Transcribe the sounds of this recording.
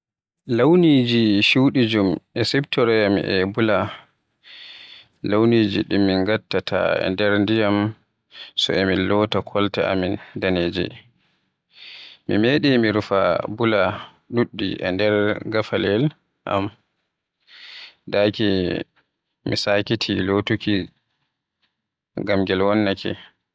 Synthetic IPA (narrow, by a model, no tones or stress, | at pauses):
lawnid͡ʒiʃuwɗid͡ʒumʔɛsɛptɔɾɛjamʔɛ̰bula | lawnid͡ʒiɗimːiŋɡatːatʰa̰ɛ̰ndɛɾndijam | sɔ̰ɛmilɔːtakʰɔltɛa̰mindaneːd͡ʒḭ | mimeɗimiɾufa̰bula | ɗuɗːḭʔɛ̰ndɛɾɡafalɛl | ʔa̰m | daki | mḭsakitʰilotuki | ɡamɡɛlwɔnːakʰɛ̰